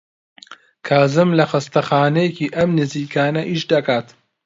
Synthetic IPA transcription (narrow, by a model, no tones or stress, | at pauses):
kʰaːzɨmlɐxɐst̪ɐxaːnejeciːʔɐmnɪziːkaːnɐʔiʃd̪ɐkaːt̪